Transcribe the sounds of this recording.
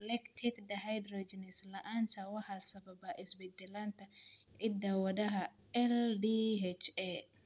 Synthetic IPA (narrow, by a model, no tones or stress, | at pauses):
lɛkt̪ʰɪkd̪ɐɦajd̪rɔd͡ʒɛnɪslɐʔaːnsɐwɑħɑsɐbɐbɐʔɪsbɛd̪ɛlant̪ʰɐʕɪd̪awɐðɐɦɐ | ɛlɖiɦɛt͡ʃɛ